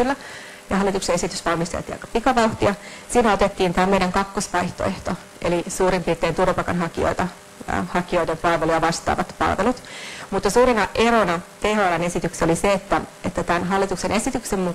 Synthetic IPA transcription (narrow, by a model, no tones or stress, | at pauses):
ylːæ | jɑhɑlːit̪uksee̞sit̪ysʋɑlmist̪ḛlt̪iːɑ̰jkɑ̥pikɑʋɑuht̪iɑsiːnæot̪et̪ːiːnt̪æːmeiɾæŋkɑkːosʋɑjht̪o̰eht̪o | ḛlisuːɾimpirt̪ːˑeːnt̪urʋɑpɑkɑ̰nɦɑkio̰it̪ɑ | hɑkioidempɑlʋeluɑʋɑst̪ˑɑ̰ːʋɑt̪pɑ̰lʋelut̪mut̪ːɑsuːɾenɑʔeɾonɑt̪ehonɑnesit̪ykseoliseet̪ːæet̪ːæt̪ænɦɑlːit̪uksenʔe̞sit̪yksemmu